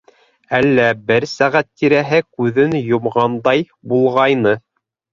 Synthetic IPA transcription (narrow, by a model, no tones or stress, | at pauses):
ælːæbɘɾsæʁæt̪ːiɾæɦɘkʉðɘnjŏmʁɑnd̪ɑj | bulˠʁɑjnɤ